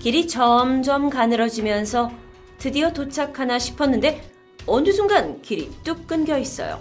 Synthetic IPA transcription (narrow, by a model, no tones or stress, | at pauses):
kiɾit͡ɕʌmd͡ʑʌmkanɯɾʌd͡ʑimjʌnsʰʌ | tɯdiʌtot͡ɕʰakʰanaɕʰi̥pʰʌnːɯnde̞ | ʌndɯsʰuŋɡankiɾḭt͈uk̚k͈ɯnɡjʌis͈ʌ̰jo̰